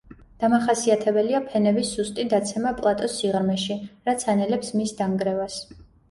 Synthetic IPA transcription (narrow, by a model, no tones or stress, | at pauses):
d̪̥amaχasiat̪ʰɛbɛliapʰɛnɛbisːust̪ʼid̪at̪sʰɛmapʼlˠat̪ʼɔsiʁɾmɛʃiɾat̪sʰanɛlɛpsmisd̪aŋɡɾɛvas